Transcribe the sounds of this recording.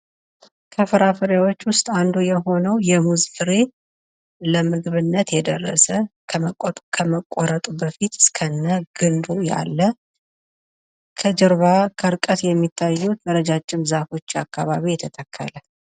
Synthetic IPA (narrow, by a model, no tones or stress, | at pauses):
kʰəfɨɾafɨɾawo̞t͡ʃːwʊst̪ʼand̪ujɛɦo̞nəwjɛmuzfɨɾe | ləmɨɡβɨnːət̪jɛd̪ərːə̰sə | kʰəməkʷʼːoɾət̪ʼubəfit̪ɨ̥skʰənːəɡ̥ɨnd̪uja̰lːə | kʰəd͡ʒɨɾβakʰəɾkʼət̪jɛmːit̪ʰːajːut̪d̪əɾəd͡ʒat͡ʃʼːɪmzafo̞t͡ʃːakːaβaβijɛt̪ʰət̪ʰəkʰːə̰lə